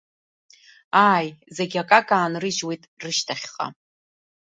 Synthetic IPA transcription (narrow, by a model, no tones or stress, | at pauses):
aːjzeɡʲakʼakʼaːnrɨʒwejtʼrɨʃtʰaχʲχʼa̰